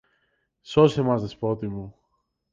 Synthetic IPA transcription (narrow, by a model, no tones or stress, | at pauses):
sosemɐzt̪espot̪imu